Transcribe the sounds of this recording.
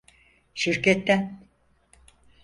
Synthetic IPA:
ʃiɾcɛt̪ːæn

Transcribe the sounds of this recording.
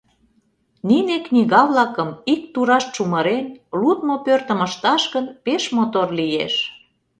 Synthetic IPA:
nineknʲiɣɑβlɑkəmik̚t̪uɾɑʃt͡ʃuməɾenlut̪mopørt̪ə̆məʃt̪ɑʃɣənpeʃmot̪orlijḛʃ

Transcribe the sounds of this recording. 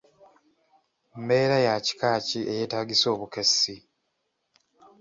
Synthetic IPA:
mme̞ːɾajaci̥kaːcie̞je̞ːtaːɡiso̞ːβukesːi

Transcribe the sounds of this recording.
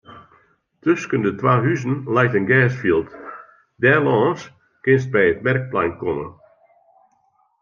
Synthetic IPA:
tøskəndətwaːɦyzən̩lɛjtənɡɛːsfilˠt | dɛlɔːns | kɪnst̚bɛjətmɛrk̚plɛjnkɔmə̰

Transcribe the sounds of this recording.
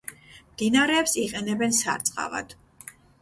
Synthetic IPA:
md̪inaɾɛːpsiqʼɛnɛbɛnsa̰ɾt̪sʼqʼa̰va̰d̪̥

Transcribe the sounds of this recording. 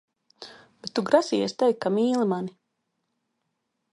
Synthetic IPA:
b̥et̪ːuɡɾasiːɛst̪ajkamiːlˠimani

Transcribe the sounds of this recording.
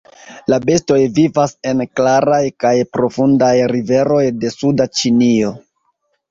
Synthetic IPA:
labe̞sto̞jvivase̞nklaɾajkajpɾo̞fundajɾive̞ɾo̞jde̞sudat͡ʃinio̞

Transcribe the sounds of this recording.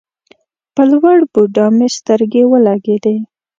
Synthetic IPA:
pəlwaɽbuɖɑmest̪əɾɡewəlaɡed̪e

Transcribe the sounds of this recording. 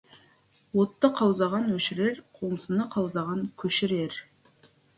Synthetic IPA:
wot̪ːəqʰɑwzɑʁɑnwɵʃɪɾe̞ɾqʰoɴəsənəqʰɑwzɑʁɑŋkʲʰɵʃɪɾeɾ

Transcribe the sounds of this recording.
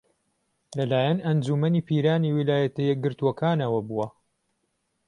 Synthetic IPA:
lɐlaːjɐnɐnd͡ʒuːmɐniːpʰiːɾaːniwilaːjɐt̪ɐjɛɡɨɾt̪uɐkʰaːnɐwɐbuwɐ

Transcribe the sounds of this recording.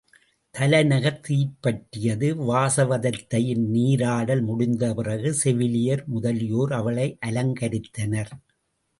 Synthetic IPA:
t̪ɐlɐnɐɣɐt̪ːipːɐʈːɪjɐðɯʋaːsɐʋɐðɐt̪ːɐjɪnniːɾaːɽɐlmʊɽʊnd̪ɐpɪrɐɣɯsɛʋɪlɪjɐɾmʊðɐlɪjoːɾɐʋɐɭɐɪʔɐlɐŋɡɐɾɪt̪ːɐnɐɾ

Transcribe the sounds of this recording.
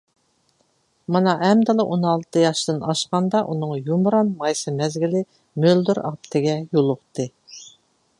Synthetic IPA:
mɨnɑʔɛmd̪ɨlˠɨʔonɑlˠt̪ʰɨjɑʃt̪ɨnɑʃqɑnd̪ɑʔunɨŋjumɾɑnmɑjsɨmɛzɡʲilɪ | møld̪yɾɑ̰p̚t̪ʰɪɡʲɛjolˠʊqt̪ʰɨ

